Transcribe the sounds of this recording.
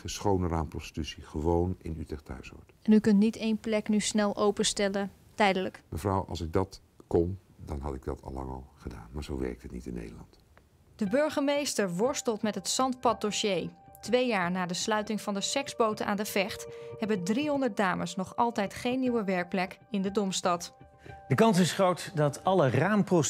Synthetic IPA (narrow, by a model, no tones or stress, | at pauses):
əsχownəraːmprɔsti̥tysiχəʋownɪ̰nytɛtʰœ̰ɥsɔ̰ɹtɛnykɵntnitejnplɛknysnɛlˠʔowpəstɛlə | tɛjdələkməvrawɑ̰lˠsɪɡ̚dɑt | kɔn | dɑnɦɑtɪɡdɑtʰɑ̰lˠːɑ̰ŋɑ̰lˠχəda̰ːnmaːɹzowʋɛ̰ɹk̚tɦətnitɪnːḛjdəlɑ̰nt | d̥əbɵɹχəmejstəɹʋɔɹstəlˠtmɛtɦətsɑntpɑt̚doʃejtʋejaːɹnaːdəslœɥtɪŋvɑndəsɛkzbowtəʔa̰ːndəvɛχtɦɛbəndriɦɔndəɹt̚daːməsnɔχɑlˠtɛjtχejnːiwəʋɛɹk̚plɛkɪndədɔmstɑt | d̥əkɑnsɪsχrowtdɑtɑləraːmpro